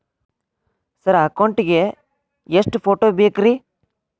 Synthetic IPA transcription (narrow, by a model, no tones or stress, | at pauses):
sɐɾɐkɐwɳʈiɡe | eʂʈupʰoːʈoːbeːkɾi